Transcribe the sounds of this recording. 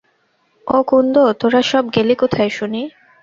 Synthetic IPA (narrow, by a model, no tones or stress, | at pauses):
okund̪ot̪oɾaʃɔbɡelikot̪ʰaeʃuni